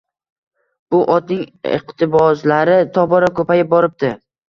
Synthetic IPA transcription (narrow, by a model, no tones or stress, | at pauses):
b̥ʊʔɒt̪nɪŋɪ̰qt̪ɪbɒzlaɾɪt̪ʰɒbɒɾakʰɵpajɪp̚bɒɾɪp̚t̪ɪ